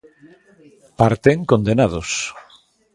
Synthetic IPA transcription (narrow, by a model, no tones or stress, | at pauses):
paɾt̪eŋkond̪enað̞os